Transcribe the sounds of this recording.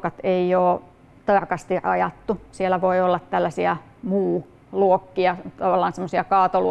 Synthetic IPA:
kɑt̪eioː | t̪ɑrkɑst̪irʔɑ̰jɑt̪ːusielæʋoiolːɑt̪t̪ælːæsiæ | muː | luokːiɑt̪ɑʋɑlːɑːnsemːosiɑkɑːt̪olu

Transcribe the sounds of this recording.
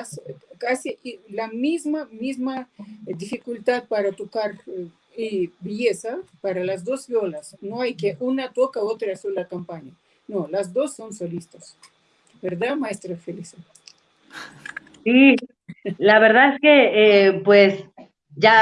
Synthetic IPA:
skasiʔilamizmamizmaðifikult̪aðpaɾat̪okaɾ | ibjesapaɾalazd̪ozbjolasnoajkeʔunat̪okaot̪ɾasulakampaɲa | nolazd̪o̞sːonsolist̪as | beɾðamaest̪ɾafelisa | si | laβeɾðaðeskeepwes | ʝa

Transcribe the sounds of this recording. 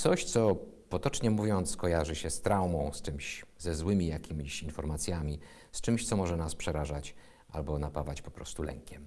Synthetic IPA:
tsɔɕt̪sɔpɔt̪ɔt͡ʂɲɛmuvʲjɔnt̪skɔjaʐɘɕɛst̪ɾawmɔ̃w̃st͡ʂɘmɕzɛzwɘmʲijakʲʰimʲiɕinfɔɾmat̪sʲjamʲi | st͡ʂɘmɕt̪sɔmɔʐɛnaspʂɛɾaʐat͡ɕ | ʔa̰lbɔnapavat͡ɕpɔ̥pɾɔ̰st̪ulɛ̰ŋkʲɛm

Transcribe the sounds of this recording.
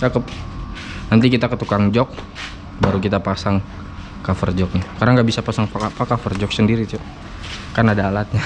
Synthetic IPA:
akəp | nant̪ikit̪akət̪ukaŋd͡ʒɔk̚ | baɾukit̪apasaŋ | kafərd͡ʒɔk̚nikaɾaŋɡaʔbisapasaŋpakapakafərd͡ʒɔk̚səndiɾit̪u | kanadaːlat̪̚ɲa

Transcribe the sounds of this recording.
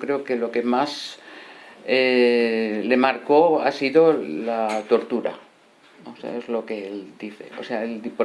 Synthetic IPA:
kɾe̞oke̞lo̞ke̞mas | e | le̞maɾko̞a̰siðolat̪o̞ɾt̪uɾa̰ | osḛa̰ezlo̞keeld̪iθḛo̰seaeld̪ipo

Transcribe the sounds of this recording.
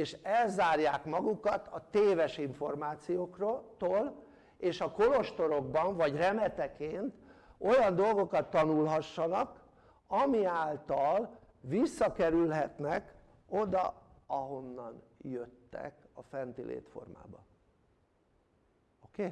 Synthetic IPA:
eːʃɛlzaːrjaːkmɒɡukɒt̪ɒt̪eːvɛʃiɱfo̞rmaːt̪sijoːkrot̪oːl | eːʃɒko̞lo̞ʃt̪o̞ɾo̞ɡbɒɱvɒɟrɛmɛt̪ɛkeːnt̪o̞jɒnd̪o̞lɡo̞kɒt̪ːɒnulɦɒʃːɒnɒk | ɒmiaːlt̪ɒl | visːɒkɛɾylɦɛt̪nɛk | od̪ɒ̰ɒɦo̞nːɒnjøt̪ːɛ̰kɒfɛnt̪ilʔḛːt̪fo̞̰rma̰ːbɒ | okeː

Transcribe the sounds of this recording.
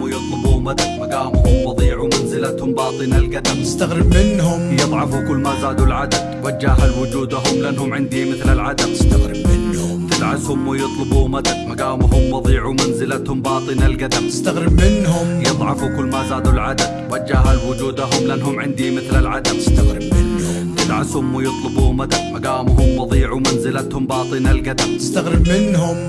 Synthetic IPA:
wɪjɨt̪ˤlʊbuːmad̪amaɡaːmhʊmwɑðˤiːʕumanzɪlat̪hʊmbɑːt̪ˤɨnalɡad̪amst̪aɣɾɪmɪnɦʊmjɨðˤʕɑfukʊlːmazaːd̪ulad̪awad͡ʒːaːɦalwʊd͡ʒuːd̪aɦʊmlaʔanːhʊmʕɪnd̪imɪθlalʕad̪aaɣɾmɪnhʊt̪ɪlʕazhʊmwɪjɨt̪ˤlʊbuːmad̪ad̪maɡaːmɦʊmwɑðˤiːʕumanzɪlat̪hʊmbɑːt̪ˤɨnalɡad̪amst̪aɣɾbɪnɦʊmjɨðˤʕɑfukʊlːmazaːd̪ulʕad̪ad̪wad͡ʒːaɦalwʊd͡ʒuːd̪aɦʊmlʔanːɦhʊmʕɪnd̪imɪθlalʕad̪aaɾɪnhʊ | t̪ɪd̪ʕashʊmwɪjɨt̪ˤlɨbuːmad̪aaɡaːmɦʊmwɑðˤiːʕumanzɪlat̪hʊmbɑːt̪ˤɨnalɡad̪abst̪aɣɾɪbmɪnɦʊm

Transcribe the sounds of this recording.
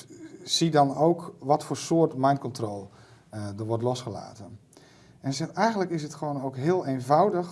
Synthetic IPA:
sidɔnowkʋɔtfoːrsoːtmɛjnkɔntroːlˠ | dəʋɔrtlɔsχəla̰ːtən | ɛnsɛɛjɣəndləkɪsətχəʋoːnowkɦɪəlˠejnvawdəx

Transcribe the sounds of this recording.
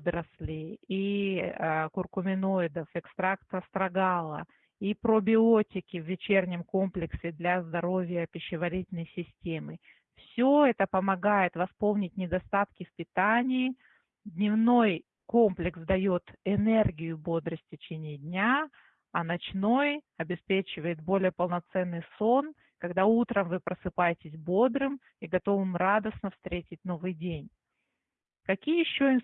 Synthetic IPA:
d̪ɾəsʲlʲɪi | kʊrkʊmʲɪnoɪd̪əfɪkst̪ɾakt̪əst̪ɾɐɡalˠə̰ | ipɾobʲɪotʲɪkʲɪvːʲɪt͡ɕernʲɪmko̞mplʲɪksʲɪd̪lʲɐzd̪ɐɾo̞vʲɪjəpʲɪɕːɪvɐɾʲitʲɪlʲnəjsʲɪsʲtʲemɨ | fsʲoɛt̪əpəmɐɡajɪt̪vɐspo̞lˠnʲɪtʲnʲɪd̪ɐst̪at̪kʲɪfpʲɪt̪anʲɪː | d̪ʲnʲɪvno̞j | ko̞mplʲɪksd̪ɐjo̞t̪ɪnɛrɡʲɪjʊbo̞d̪ɾəsʲtʲtʲɪt͡ɕenʲɪjɪdʲnʲa | ɐnɐt͡ɕno̞j | ɐbʲɪspʲet͡ɕɪvəjɪt̪̚bo̞lʲɪjəpəlˠnɐt̪sɛnːɨjso̞n | kɐɡd̪aut̪ɾəmvɨpɾəsɨpajɪtʲɪsʲbo̞d̪ɾɨm | iɡɐt̪o̞vɨmɾad̪əsnəfst̪ɾʲetʲɪt̚ʲno̞vɨjdʲenʲ | kɐkʲijəjɪɕːoɪn

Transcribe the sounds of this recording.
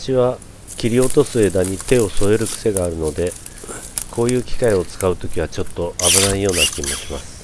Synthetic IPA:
aɕiβa | kʲiɾʲio̞t̪o̞sɨe̞d̪aɲ̟it̪e̞o̞so̞eɾɯ̟kɯ̟̥se̞ɡaːɾɯ̟no̞d̪e̞ | kʰo̞ːjɯ̟ːkʲi̥kaio̞t͡sɨ̥kaɯ̟t̪o̞kʲiβ̞at͡ɕo̞t̪ːo̞ʔabɯ̟naijo̞ːnakʲimo̞ɕʲima̰sɨ̥

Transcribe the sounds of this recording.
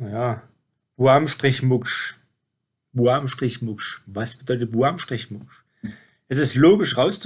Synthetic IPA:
jaː | b̥uamʃtʁ̥ɪçmʊkʃ | b̥uaːmʃtʁ̥ɪçmʊkʃvasb̥ədɔʏtət̚b̥uaːmʃtʁ̥ɪçmʊkʃ | ʔɛs̬ɪstloːɡɪʃʁaʊst͡s

